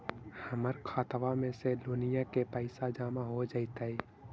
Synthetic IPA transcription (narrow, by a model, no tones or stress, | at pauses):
həməɾkʰaːt̪ʋamẽseloːnijakepəɪsad͡ʒaːmaɦod͡ʒaːɪt̪aɦɛː